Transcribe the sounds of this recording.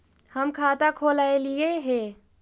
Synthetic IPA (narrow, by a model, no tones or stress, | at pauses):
həmkʰaːt̪akʰoːlaːelieɦɛ